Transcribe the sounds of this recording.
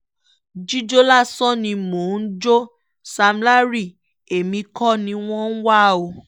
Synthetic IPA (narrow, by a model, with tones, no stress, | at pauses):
d͡ʒi˦d͡ʒo˦la˦˨sɔ̃˦nĩ˧mo˨n̩˦d͡ʒo˦ | sa˧m˦la˦ɾi˦˨ | e˨mĩ˧kɔ˦nĩ˧˦w̃ɔ̃˦n̩˦wa˦˨o˨